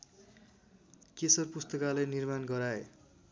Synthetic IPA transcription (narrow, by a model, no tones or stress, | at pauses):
kesʌrpust̪ʌkalenirmanɡʌɾae